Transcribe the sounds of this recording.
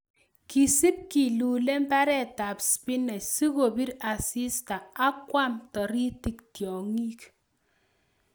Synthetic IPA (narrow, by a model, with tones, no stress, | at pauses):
ki˨si˦p̚ki˨luː˨le˦m̩˦ba˦ɾe˨ta˨pspi˦ne˨si˦ko˨bi˦ɾa˨si˦sta˨a˦kwʷa˦mtɔ˨ɾi˦ti˦k̚tjɔ˨ŋi˦k